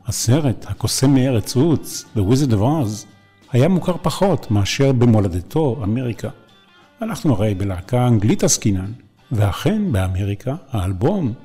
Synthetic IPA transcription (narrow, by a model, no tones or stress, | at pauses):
haseʁethako̞semeeʁet͡sut͡sðewizedovaz | hajamukaʁpaχo̞tmeaʃe̞ʁbemolad̪etʰo̞ame̞ʁika | anaχnuaʁejbelaːkaaŋɡlitaskinan | veaχe̞nbeame̞ʁikʰahaːlbo̞m